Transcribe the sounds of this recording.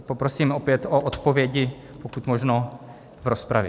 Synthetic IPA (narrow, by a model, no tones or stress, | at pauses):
popɾosiːmopjɛt̪oʔot̪povjɛɟɪ | pokut̪moʒno | vɾospɾa̰vjɛ